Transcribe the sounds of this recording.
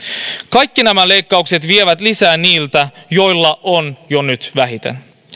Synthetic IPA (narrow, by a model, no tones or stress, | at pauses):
kɑjkːinæmælejkːɑukse̞t̪ʋieʋæt̪lisæːniːlt̪æjo̞jlːɑʔonjonyt̪ʋæɦit̪ḛn